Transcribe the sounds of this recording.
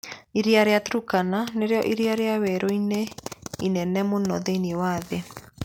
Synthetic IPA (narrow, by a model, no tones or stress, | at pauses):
iɾeaɾeatɾukananeɾeɔʔiɾeaɾeawɛɾoineinɛnɛmonɔðeiniewaðe